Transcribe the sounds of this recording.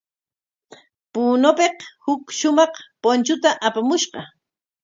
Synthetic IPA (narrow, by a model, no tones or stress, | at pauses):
punopeqhʊkʃʊmɑqpont͡ʃʊt̪aʔapamʊʃɢɑ